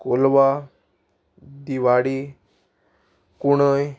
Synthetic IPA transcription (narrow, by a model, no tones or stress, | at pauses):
kolʋa | d̪iʋaɽi | kuɽ̃əj